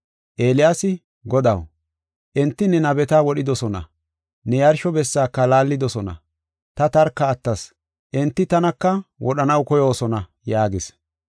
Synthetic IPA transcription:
ʔeːlɪjaːsɪ | ɡɔd̪ɐw | ʔɛnt̪ːɪnɛnɐbɛt̪ɐwɔɗɪd̪ɔsɔnɐ̰ | nɛjɐɾʃɔbɛsːaːkːɐlaːlːɪd̪ɔsɔnɐ̰ | t̪ɐt̪ɐɾkːɐːt̪ːɐs | ʔɛnt̪ːɪt̪ɐnɐkːɐwɔɗɐnɐwkɔjoːsɔnɐ | jaːɡɪs

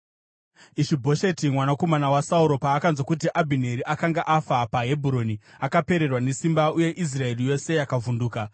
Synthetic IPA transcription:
iʃibʱo̞ʃe̞timwanako̞manawasauɾo̞paːkanzwakut̬iʔabʱine̞ɾiʔakaŋɡaʔafapaɦe̞bʱuɾo̞niakape̞ɾe̞rwane̞simbauje̞ʔis̬rae̞rijo̞se̞jakavunduːka

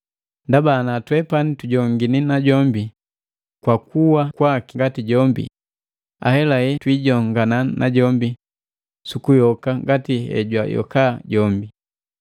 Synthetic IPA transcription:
ndabanatwɛpanituɟɔŋɡininaɟɔmbi | kwakuwakwakiŋɡatiɟɔmbḭ | a̰hɛlahɛtwiɟɔŋɡananʔaɟɔmbi | sukujɔkaŋɡatihɛ̰ɟwajɔ̰kaɟɔmbi

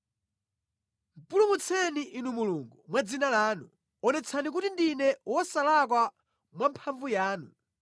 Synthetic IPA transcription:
m̩pulumut͡sʰɛniʔinumuluːŋɡumwad͡zinalaːnu | ɔnɛt͡sʰanik̬utindinɛwɔsalak̬wa | mwampʰaɱvujaːnu

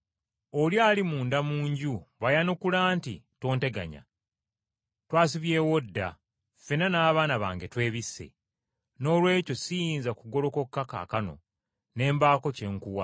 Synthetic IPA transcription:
oljaːlimuːndamuːɲɟuβajanokulaːntḭto̞ːnte̞ɡa̰ɲa̰ | twaːsiβje̞ːwodːa̰ | fe̞nanaːβaːnaβa̰ːŋɡe̞twe̞ːβisːe̞̰ | no̞ːlwe̞ːco̞sijiːnzakuɡo̞ɾo̞ko̞kːaka̰ːkano̞̰ | ne̞ːmbaːko̞ce̞ŋkuwa

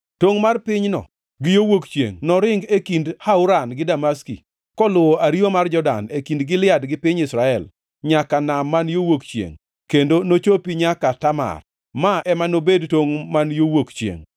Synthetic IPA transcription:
toŋmarpɪɲnɔ̰ | ɡɪjowokt͡ʃjḛŋnɔɾɪŋɡekindhaʊɾanɡɪdamaskḭ | kɔlʊwoʔaɾiomard͡ʒɔda̰nekindɡɪlɪadɡɪpɪɲɪsɾaɛl | ɲakanamːanjowokt͡ʃjḛŋ | kendonot͡ʃopiɲakatama̰r | maʔɛmanobedtoŋmanjowokt͡ʃḛŋ

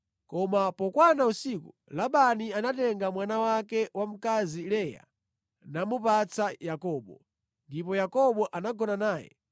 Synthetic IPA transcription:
kɔmapɔkwanausiku | laɓanianatɛŋɡamwanawakɛwam̩kazilɛja̰ | namupat͡sʰajakɔːɓɔ̰ | ndip̬ɔjakɔɓɔʔanaɡɔnanaːjɛ̰

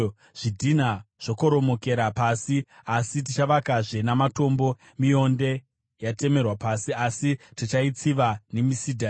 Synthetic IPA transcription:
ʐ̥idʱinaʐ̥o̞ko̞ɾo̞mo̞ke̞ɾapasiasit̬it͡ʃaʋakaʐe̞namato̞mbo̞ | mio̞nde̞ | jate̞me̞rwapasiasitit͡ʃait͡siʋane̞misidʱa

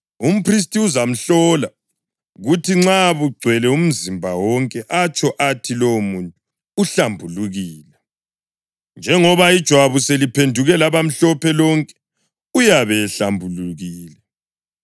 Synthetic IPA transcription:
um̩pʰris̬tʼiuzam̩ɬɔla | ɣutʰiŋ͡ǁaβuɡ͡ǀʱwɛlɛum̩zimbʱawɔŋkʼɛʔat͡ʃʼɔʔatʰilomuntʼu | uɬambʱuluɣiːlɛ | nd͡ʒʱɛŋɔβaid̥ʒ̥ʱwaβuselipʰendʱuɣɛlaβam̩ɬɔpʰɛlɔŋkʼɛ̥ | ujaβɛːɬambʱuluɣiːlɛ

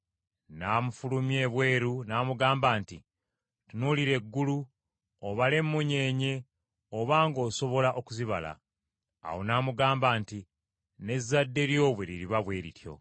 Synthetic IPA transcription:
naːmufulumje̞βwe̞ːɾunaːmuɡaːmbaːnti | tunuliɾe̞ɡːulu | oβale̞mːuɲe̞ːɲe̞ | oβaːŋɡo̞ːso̞βo̞laʔo̞kuziβala̰ː | wo̞naːmuɡaːmbaːnti | ne̞zːadːe̞ɾjo̞ːβwe̞ɾiɾiβaβwe̞ːɾitjo̞̰

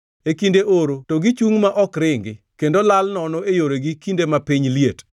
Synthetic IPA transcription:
ekindeʔoɾotoɡɪt͡ʃuŋmaʔɔkɾɪŋɡɪ | kendolalnɔnɔejoɾeɡikindemapiɲliet

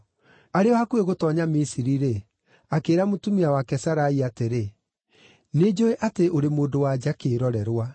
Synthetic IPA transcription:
aɾeɔhakueɣotɔɲamisiɾiɾe | akeːɾamotumiawakɛsaɾaiateɾe | ned͡ʒoeʔateʔoɾemoːdowad͡ʒakeːɾɔɾɛɾwa

